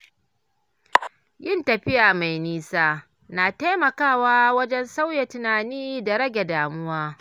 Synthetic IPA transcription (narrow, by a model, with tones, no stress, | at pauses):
jɪ˦ntɐ˨ɸɪ˦jaː˨ma˨jniː˦saː˦ | naː˨ta˦jmɐ˨kaː˦˨waː˦wɐ˦d͡ʒɛ˦nsa˦wja˨tɪ˨naː˨niː˦da˨ɾɐ˦ɡʲe˨daː˨mʊ˦waː˦